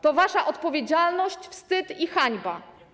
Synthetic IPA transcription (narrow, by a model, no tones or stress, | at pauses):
t̪ɔvaʂaʔɔt̪pɔvʲjed͡ʑalnɔɕt͡ɕfst̪ɘt̪ixaɲba